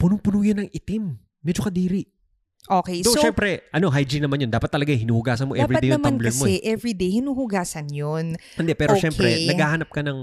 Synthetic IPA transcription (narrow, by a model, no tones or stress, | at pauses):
pʊnʊŋpʊnuːjɐnːɐŋʔɪt̪ɪmː | ɛd͡ʒokɐd̪iːɾɪʔ | ʔoːkɛjsoʃɛmpɾɛʔɐno̞ɦajd͡ʒɪnɐmanjond̪aːpɐt̪ːɐlɐɡaŋhɪnuːhʊɡaːsɐnmoʔɛvɾipɐd̪ejɐmɐmnblɛɐmoɛʔɛvɹid̪ejhɪnuːhʊɡaːsɐnjonɪnd̪ɛpɛːɾoʃɛmɾɛnɐɡaːhɐnɐp̚kɐnɐŋ